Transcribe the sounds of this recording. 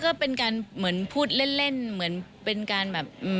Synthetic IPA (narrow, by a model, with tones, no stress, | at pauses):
kɔː˥˩pe˧nkaː˧nmɯ˩˦ənpʰuː˥˩t̪̚le˥˩nle˥˩nmɯ˩˦ənpe˧nkaː˧nbɛː˨˩p̚ʔɯː˧˩